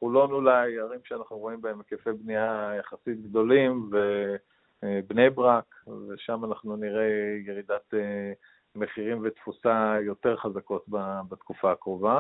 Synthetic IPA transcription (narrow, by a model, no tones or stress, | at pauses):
χulo̞nulajaʁimʃeanaχnuʁo̞imbaemekefejbniajaχasit̪̚ɡd̪o̞limve | bne̞jbʁakveʃamanaχnuniʁe̞jeʁid̪at̪e | meχiʁimvet̪fusajo̞t̪e̞ʁχazako̞t̪babat̪kufaːkʁova